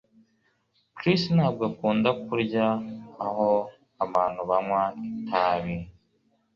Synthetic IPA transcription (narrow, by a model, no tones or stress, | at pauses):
kɾistnaːbɡokuːndak̚uɾɟaːɦo | aβaːn̥huβamwaitʰaːβi